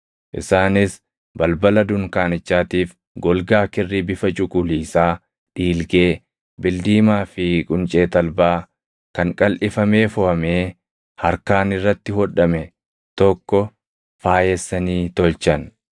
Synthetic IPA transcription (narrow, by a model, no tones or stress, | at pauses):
ʔɪ̰saːnɪs | bɐlbɐlɐd̪ʊŋkaːnɪt͡ʃːaːt̪iːf | ɡɔlɡaːkɪrːibɪfɐt͡ʃʼʊkʼʊliːsaː | ᶑiːlɡe̞ː | bɪld̪iːmaːfɪkʼʊnt͡ʃʼeːt̪ɐlbaː | kɐŋkʼɐlʔɪfɐmeːfʊhɐmeː | hɐɾkaːnɪrːɐt̪ːɪhɔᶑɐmɛ | t̪ɔkːɔ | faːjɛsːɐniːt̪ɔlt͡ʃɐn